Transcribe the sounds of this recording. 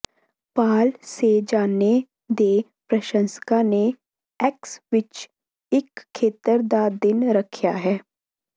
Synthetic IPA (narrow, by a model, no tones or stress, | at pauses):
paːlsed͡ʒaːne | d̪e | pɾɐʃə̃nskane | ɛːksʋɪt͡ʃ | ɪkʰːeːt̪əɾd̪ad̪ɪnɾɐkʰjaɦɛː